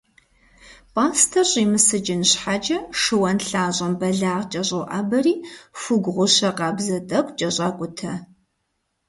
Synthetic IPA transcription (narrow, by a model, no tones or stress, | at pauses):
pʼaːstʰɐɕʼimɨsɨd͡ʒɪnɕħad͡ʒʼɐʂɨwɐnɬaːʑʼɐmbɐɮaːʁt͡ʃʼɐɕʼowʔaːbɐriːfuɡʷʁʷʊɕɐqɑːbzɐtʼɐkʷʼt͡ʃʼɐɕʼaːkʷʼʊtʰɐ